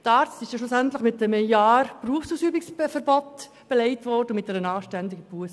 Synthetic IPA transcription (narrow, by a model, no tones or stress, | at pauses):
tɑːɾt͡stɪʃjɑʃlʊsæntləχmɪtːɛməjɑːɾpruəfsuːsyːbɪksfəɾbɔt | b̥elɛɪtvɔrdəʊmɪt̚d̥ɛɾənɑːʃtɛndɪɡəpuəs